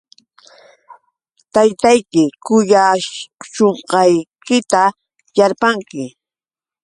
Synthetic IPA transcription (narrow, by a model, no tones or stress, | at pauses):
t̪ajt̪ajkɪkʊjaʃoɴqɑjkɪt̪a | jaɾpaŋkɪ